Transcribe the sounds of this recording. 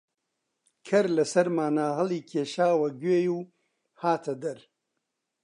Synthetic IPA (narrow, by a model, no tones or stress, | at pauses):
kʰɐɾlɐsɐɾmaːnaːɦɐliːkʰeːʃaːwɐɡweːjuː | haːt̪ʰɐd̪ɐɾ